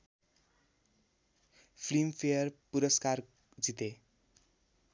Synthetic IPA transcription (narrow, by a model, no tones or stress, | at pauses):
pʰlimpʰejʌrpuɾʌskar | d͡zit̪e